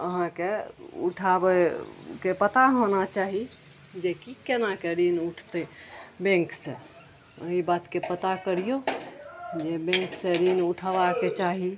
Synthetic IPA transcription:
əɦãkeṵʈʰabekepət̪aɦonat͡ʃaɦi | d͡ʒekikenakeɾinuʈʰt̪ebẽŋksẽ | əɦibat̪kepət̪akəɾijo | d͡ʒebẽŋksẽɾinuʈʰabaket͡ʃaɦi

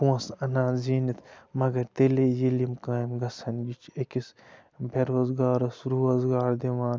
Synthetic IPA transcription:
puɐ̃sɐnãːzinit̪ʰmɐɡɐɾt̪eːlejilimkãːjimɡɐsɐnɡit͡ʃʰekis | bʱeɾoːzɡaːɾɐsɾuːɐzɡaːɾd̪iʋãːn

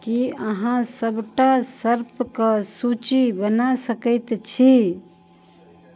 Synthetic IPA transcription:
kiəɦãsəbʈasəɾpkəsut͡ʃibənasəkəɪt̪t͡ʃʰi

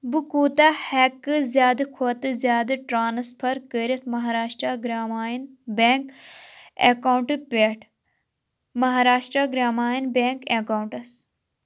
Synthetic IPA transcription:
bɨkuːt̪aːhɛkːɨzʲjaːd̪ɨkʰoːt̪ɨzʲjaːd̪ɨʈɾaːnɐspʰɐɾkəɾit̪ʰmɐɦaːɾaːʃʈɾaɡɾaːmaːjin | beːŋk | ḛkaːwɳʈɨpʲeːʈʰ | mɐɦaːɾaːʃʈɾaɡɾaːmaːjinbeːŋkekawɳʈɐs

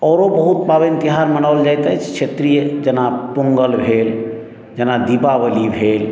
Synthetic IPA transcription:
ɔɾobəɦut̪babint̪iɦaɾmənaʊld͡ʒajt̪ət͡ʃʰt͡ʃʰet̪ɾijəd͡ʒənapuŋɡəlbʱel | d͡ʒənad̪ipabəlibʱel

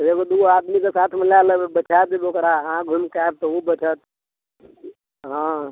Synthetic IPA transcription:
t̪ekod̪uaːd̪mikesaːt̪ʰməlaləbbət͡ʃʰad̪ibokɾaãɡʱʊmkaeb̚t̪oubət͡ʃʰət̪̚ | ɦã

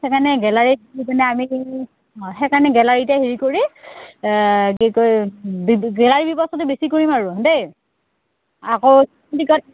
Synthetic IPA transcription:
ekanɛɡɛlaɹiikɔnɛami | xekaɹɔnɛɡɛlaɹitɛɦiɹikoɹi | ɡekojbiɡɛlaɹibipɔstɔtʊbesikoɹimaɹʊdej | akow | tikɔt̚

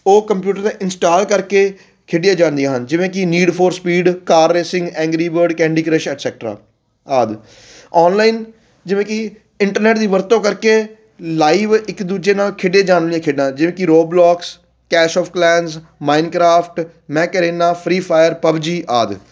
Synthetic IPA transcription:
oːkəmpjuːʈəɾt̪ẽʔɪnsʈaːlkəɾkeː | kʰeːɖɪjaːd͡ʒãːnd̪ijãːɦənd͡ʒɪʋẽːkɪniːɖpʰoːɾspiːɖkaːɾːeːsɪ̃ŋɡɛ̃ːŋɡɾiːbəɾɖkɛ̃ːɳɖiːkɾəʃɛʈsɛːk̚ʈɾa̰ː | aːd̪ | ɔːnlaːiːn | d͡ʒɪʋẽːkɪ | ɪɳʈəɾnɛːʈd̪iːʋəɾt̪õːkəɾkeː | laːiːʋɪkd̪uːd͡ʒeːnaːlkʰeːɖjeːd͡ʒaːnlijãːkʰeːɖãːd͡ʒɪʋẽːkɪɾoːblɔːks | kɛːʃɔːfʰklɛːns | maːɪnkɾaːpʰʈ | mɛ̃ːkəɾeːnaːpʰɾiːpʰaːjəɾpəbd͡ʒiːʔaːd̪

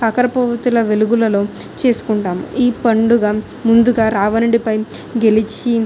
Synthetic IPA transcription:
ɐkɐɾɐpɐʋɐt̪ulɐʋe̞luɡulɐlo̞ː | t͡ʃe̞ːsu̥kuɳʈaːmiːpɐɳɖuɡaː | mund̪uɡaːɾaːʋɐnɐɽipɐjɡe̞lit͡ʃi

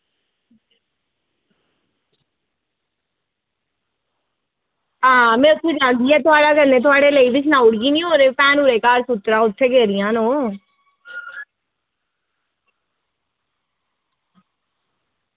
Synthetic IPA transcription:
ɦãːmɛ̃ːʊt̪ʰːed͡ʒãːnd̪iːɛːt̪ʊaːɽaːkəɾnẽːt̪̬ʊaːɽeːləiːbɪt͡ʃʰnãːʊɽɡiːnĩːɦoːɾeːpɛːnuːɾeːkaːɾsʊt̪ɾãːʊt̪ʰːeːɡeːɾɪjãːnõː

